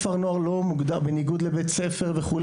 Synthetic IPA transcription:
faʁnoaʁlo̞muɡd̪abeniɡud̪lebet̪t͡sefe̞ʁveχul

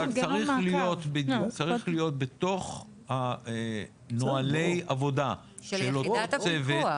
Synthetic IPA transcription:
aʁilijo̞t̪bed̪jukt͡saʁiχlijo̞t̪̚bet̪o̞χ | ha | noalejavo̞da | ʃelotot͡seve

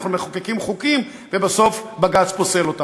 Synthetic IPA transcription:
χnumeχokekimχukim | vebaso̞fbaɡat͡spose̞lo̞t̪a

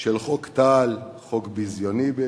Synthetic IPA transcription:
ʃelχokt̪alχokbizjonibe

